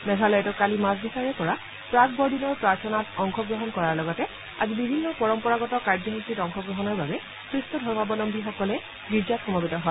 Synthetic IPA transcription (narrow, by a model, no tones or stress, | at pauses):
mɛɡʱalɔjɛtɔkːalimasbisaɹɛpɔɹa | pɹakbɔɹdinɔɹpɹaɹsʰɔnatɔŋxʰɔɡɹɔɦɔnkɔɹaɹlɔɡɔtɛ | azibibʱinːɔpɔɹɔmpɔɹaɡɔtɔkaɹdjɔɦɔkitɔŋxɔɡɹɔɦɔnɔɹbabɛ | kɹistɔdʱɔɹmabɔlɔmbʱixɔkɔlɛ | ɡiɹd͡ʒatxɔmɔbitɔɦɔj